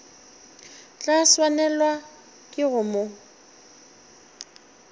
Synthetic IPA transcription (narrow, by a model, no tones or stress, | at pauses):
t͡ɬʼaswanɛlwa | kʼɪɣʊmo